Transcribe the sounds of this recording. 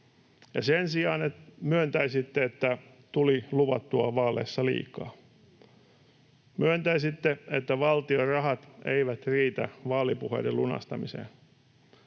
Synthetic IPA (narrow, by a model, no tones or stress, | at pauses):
jɑ̰sensiɑːnemyønt̪æisit̪ːeet̪ːæ | t̪uliluʋɑt̪ːuɑʋɑːlḛsːɑlḭːkɑ̰ː | myønt̪æisit̪ːeet̪ːæʋɑlt̪iorɑɦɑt̪ḛiʋæt̪riːt̪æ̰ʋɑːlːipuhḛjdelunɑ̰st̪ɑmisḛːn